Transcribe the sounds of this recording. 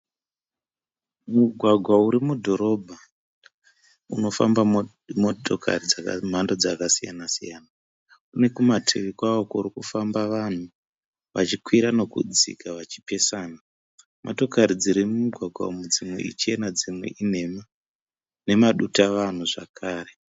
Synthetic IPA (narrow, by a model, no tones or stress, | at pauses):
muɡʱwaɡʱwauɾimudʱo̞ɾo̞bʱa | uno̞fa̰mba | motokʰa̰rid͡zam̤ando̞d͡zakasija̰nasḭjaːna | une̞kumatʰeʋikwaokoɾikufambaʋan̤u | ʋa̰t͡ʃikwiɾano̞kṵd͡zḭkaʋat͡ʃi̥pe̞saːna | mo̰to̞kaɾid͡ziɾimumuɡʱwaɡʱwa̰mud͡zimwḛḭt͡ʃienad͡zimwḛʔin̤e̞ma | ne̞maɗutaʋan̤uʐa̰kʰaːɾe̞